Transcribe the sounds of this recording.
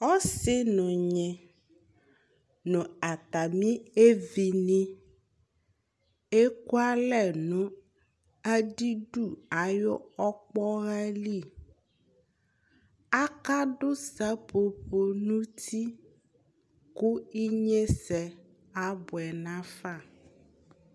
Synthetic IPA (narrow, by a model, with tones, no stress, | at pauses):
ɔ˦sɪ˦nɔ̃˨ɲɛ̃˨ | nɔ̃˨a˨t̪a˨mĩ˦e˦vi˨nĩ˦ | e˦ku˦a˦lɛ˦˨nũ˦ | a˦ɖi˦ɖu˨a˨jɔ˦ɔ˦k͡pɔ˦ɣa˦li˦˨ | a˦ka˦ɖo˦sa˦po˨ɸo˨nũ˦t̪i˦ | ku˦i˦ɲẽ˦sɛ˨ | a˦bʊ˨ɛ˨nã˦fa˦˨